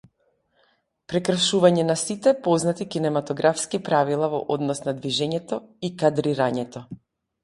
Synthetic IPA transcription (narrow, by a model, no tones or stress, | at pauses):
pɾɛkr̩ʃuvaɲɛnasit̪ɛpɔznat̪ikinɛmat̪ɔɡɾafskipɾavilˠavɔʔɔd̪nɔsnad̪viʒɛɲɛt̪ɔikad̪ɾiɾaɲɛt̪ɔ